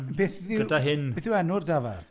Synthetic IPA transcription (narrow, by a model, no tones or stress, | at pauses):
beːθðɪɡədaɦɪneːθðɪwɛnʊrdavar